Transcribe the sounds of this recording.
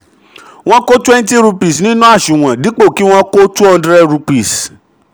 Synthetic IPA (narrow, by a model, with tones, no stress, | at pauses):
w̃ɔ̃˦ko˦tɛ˦n˦ti˦ɾu˧pi˨snĩ˦nũ˦a˦˨ʃũ˨w̃ɔ̃˨di˨˦k͡po˦˨ki˦w̃ɔ̃˦ko˦tu˦ɔ˧˦dɾɛ˦ɾu˧pi˨s